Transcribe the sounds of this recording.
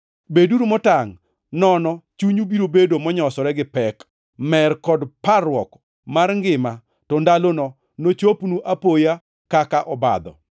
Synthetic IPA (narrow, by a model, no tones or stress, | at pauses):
beduɾumɔtaŋ | nɔnɔt͡ʃuɲubiɾobedomɔɲɔsɔɾɛɡɪpɛk | mɛrkɔdparwɔk | marŋɡɪma | tɔndalonɔ | not͡ʃopnuʔapoja | kakaʔɔba̰d̪ɔ̰